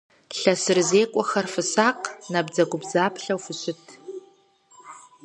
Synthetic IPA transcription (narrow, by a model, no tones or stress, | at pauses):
ɬɐsɨrzeːkʷʼɔxɐrfɨsaːqnabd͡zɐɡʷʊbzaːpʰɬɐwfɨɕʊtʰ